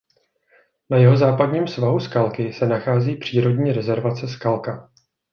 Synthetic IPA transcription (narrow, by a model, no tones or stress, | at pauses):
najɛɦo̞zaːpadɲiːmsvaɦuskalkɪsɛnaxaːziːpr̝̥iːɾo̞dɲiːɾɛzɛɾvat͡sɛskalka